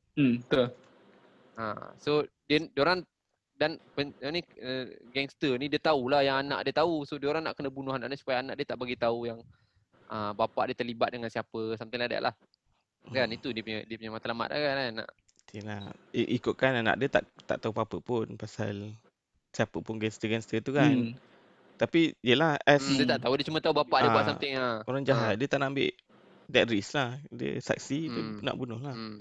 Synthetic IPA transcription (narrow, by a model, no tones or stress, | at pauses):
t̪u | a̰sodiədoɾaŋ | danpəaniəɡɛŋst̪ənĩdiət̪aulahjaŋanã̰ʔdiət̪ausodəoɾaŋnaʔkənəbunʊɦanã̰ʔniʔsu̥pajaːnaʔdiət̪aʔbaɡit̪aujaŋ | ʔəbapa̰ʔdiət̪ərlibat̪̚dəŋansiapəsamt̪alada̰ʔlʔa̰h | kanit̪udiəpuɲədiəpuɲamat̪alama̰t̪̚a̰kaana̰ʔ | dənaʔʔikʊʔ̪̚kananã̰ʔdət̪a̰ʔt̪aʔt̪aupapəpʊnpasa̰l | siapəpʊnɡɛnst̪əɡɛnst̪ət̪ukan | t̪apidiəlahɛsdət̪aʔt̪audiət͡ʃumət̪aubapaʔdiəbaʔsamt̪ɪŋaoɾaŋd͡ʒaɦadiət̪aʔnaʔambɪ̰ʔ | dɛt̪̚ɾislahdə̰sa̰k̚siduna̰ʔbunʊhla